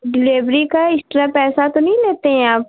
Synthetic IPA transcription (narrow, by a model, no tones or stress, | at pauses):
ɖɪleːʋɾikaɪsʈɾapɛːsat̪onɐɦĩleːt̪eɦɛ̃aːp